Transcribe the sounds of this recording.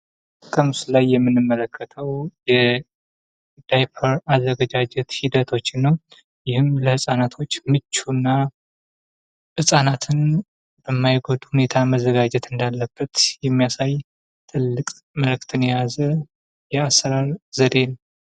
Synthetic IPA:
kʼəmslajːɛmːɨnːɨmːələkʰːət̪ʰəwjɛ | d̪̥ajpʰəɾazːəɡəd͡ʒad͡ʒɛt̪hid̪ət̪ʰo̞t͡ʃːɪnːəw | jɪhɨmləhɨsʼanat̪ʰo̞t͡ʃːmɨt͡ʃːunːa | hɨsʼanat̪ʰɨn | b̥əmːajɡod̪uhune̞t̪ʰaməzəɡad͡ʒɛt̪ɨnd̪alːəb̥ːət̪jɛmːijasaj | t̪ʰɨlːɨkʼ | məlɨk̚ʼt̪ʰɨnɛjazə | jɛasːəɾaɾzəd̪e̞nəw

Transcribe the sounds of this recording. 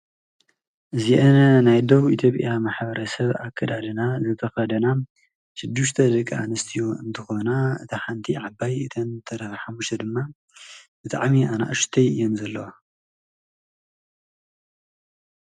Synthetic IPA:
ʔɨziʔɐnɐnajd̪oβuit̪ʰjo̞pʼjamaħbɐɾɐsɐβa̰kʰːɐd̪ad̪ɨnazɨt̪ʰɐxɐd̪ɐna | ʃɨd̪ːɨʃt̪ʰɐd̪ɨkʼa̰nɐst̪ʰijoɨnt̪ʰɨxo̞naɨt̪ʰaħant̪ʰiʕabajɨt̪ʰɐnt̪ʰɐɾɐħamːuʃt̪ʰɐd̪ɨmːa | bɨt̪ʰʼa̰ʕmiʔana̰ʔʃt̪ʰɐjɨjːomzɐlːɐwa

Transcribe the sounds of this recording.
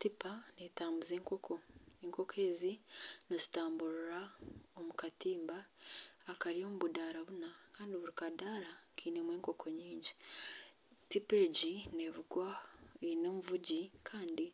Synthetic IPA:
tipanetaːmbuzeːŋko̞kʰo̞eŋko̞kʰe̞ːzinozitaːmbuɾuɾaomukatiːmbaː | kaɾijo̞muβudaːɾaβunakaːndiβuɾikadaːɾakʰiːne̞mweːŋko̞kʰo̞ɲiːɲɟi | tipe̞ːɟinevuɡwaeino̞ːmuvuɟikʰaːndi

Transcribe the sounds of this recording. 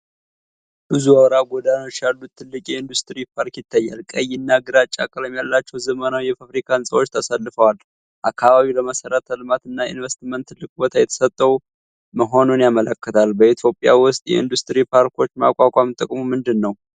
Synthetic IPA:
bɨzuəβɾaɡod̪ano̞t͡ʃːjalːut̪ʰːɨlːɨkʼjɛɨnd̪ust̪ɨɾipʰaɾkjɪt̪ʰːajːalkʼəjɪnːaɡɨɾat͡ʃʼːa̰kʼələmjalːat͡ʃːɛwzəmənawjɛfafɾikʰansʼə̰wo̞t͡ʃːt̪ʰasalːɨfəwal | ʔakʰːaβaβiləməsəɾət̪ʰəlɨmat̪ɨnːaḭnvəst̪mənt̪ːɨlɨkʼbo̞t̪ʰajɛt̪ʰə̥sət̪ʼːəw | məɦo̞nunjamələkːət̪ʰalbəit̪ʰjo̞pʼja̰wʊst̪ʼjɛ̰ɨnd̪ust̪ʼɨɾipʰaɾkʰo̞t͡ʃːma̰kʷʼakʼamt̪ʼəkʼmumɨnd̪ɨnːəw

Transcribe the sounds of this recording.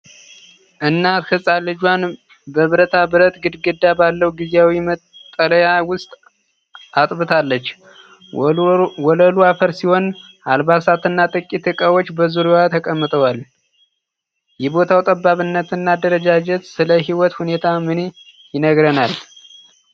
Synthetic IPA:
ʔɨnːat̪kʰɨsʼalːɨd͡ʒwan | bəβɨɾət̪ʰabɨɾət̪ɡɨd̪ɡɨd̪ːabalːəhuɡizeawimət̪ʼːələjawʊst̪ʼ | at̪ʼbɨt̪ʰalːət͡ʃː | wɔləluafəɾsiho̞n | ʔalbasat̪ɨnːat̪ʼɨkʼːit̪ʰɨkʼawot͡ʃːbəzuɾuwat̪ʰəkʼəmːɨt̪ʰʼəwal | jɛbo̞t̪ʰawt̪ʼəbːaβɨnːət̪ɨnːad̪əɾəd͡ʒad͡ʒɛt̪sɨləɦiwɔt̪hune̞t̪ʰamɨne | jɪnəɡɾənal

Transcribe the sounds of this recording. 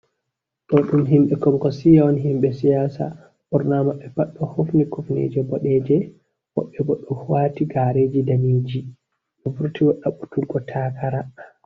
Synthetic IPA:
ɗɔɗumɦimɓɛkɔmkɔsijaɔnɦimɓɛsijaːsa̰ | ɓɔɾnamaɓɛpaɗːɔhofnikufnḛd͡ʒɛbɔɗɛd͡ʒɛ | hɔ̰ɓɛɡɔɗɔhuwaːtiɡaɾed͡ʒidaned͡ʒi | ɗɔvuɾtiwɔɗaɓutulɡɔtʰaːkʰaɾa

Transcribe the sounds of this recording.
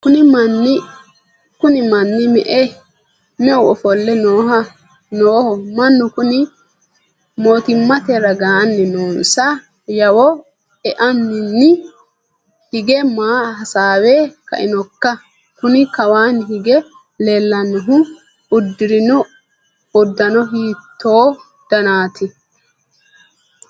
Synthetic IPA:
kʊnɪmɐnːɪ | kʊnɪmɐnːɪmɛ̰ʔɛ | nɛʊɔfɔlːɛnoːɦɐ | noːhɔmɐnːʊkʊnɪ | mo̞ːt̪ɪmːɐt̪ɛɾɐɡaːnːɛnoːnsɐ | jɐwɔ | ɛʔɐnːɪnːɪ | hɪɡɛmaːhɐsaːweːkɐ̰ʔɪnɔkːɐ | kʊnɪkɐwaːnɦɪɡɛ | leːlːɐnːɔɦʊ | ʊd̪ːɪɾɪnɔ | ʊd̪ːɐnɔɦiːt̪ʰːo̞ː | d̪̥ɐnaːt̪ɪ

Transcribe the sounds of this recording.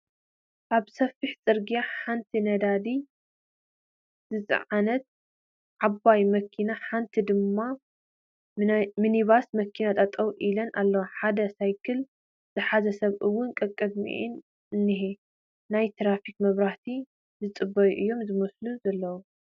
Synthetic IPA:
ʔaβsɐfiħt͡sʼɨɾɡijaħant̪ʰinɐd̪ad̪i | zɨt͡sʼɨ̰ʕanɐt̪̚ | ʕaβajmɐkʰːinaħant̪ʰid̪ɨmːa | miniβasmɐkʰːinat̪ʼɐt̪ʼɐwʔilɐnʔalːɐwaħad̪ɐsajkʰɨl | z̥ɨħazɐsɐβʔɨwːʊnkʼɨkʼɨd̪mḭʔḭn | ɨnːɨɦe | najt̪ʰɾafikmɐβɾaht̪ʰi | zɨt͡sʼɨbɐjṵʔɨjːo̞mzɨmɐsluzɐlːɐwu

